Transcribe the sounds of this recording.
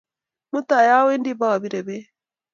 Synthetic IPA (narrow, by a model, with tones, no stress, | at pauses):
mu˦t̪a˨ja˦we˦ndi˦ba˦˨bi˦ɾe˨be˦